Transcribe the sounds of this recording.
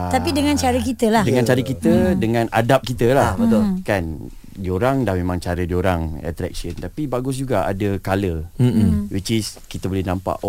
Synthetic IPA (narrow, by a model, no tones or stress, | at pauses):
at̪apidəŋãnt͡ʃaɾəkit̪əlahdəŋãnt͡ʃaɾəkit̪ədəŋãnʔa̰dap̚kit̪əlahbət̪ulkan | dioɾaŋdahmẽmãŋt͡ʃaɾədioɾaŋɛ̰t̪ɾɛ̰k̚sənt̪apibaɡʊs̬d͡ʒuɡaa̰dəkalə | wit͡ʃiskit̪əbolɛhnãmpa̰ʔ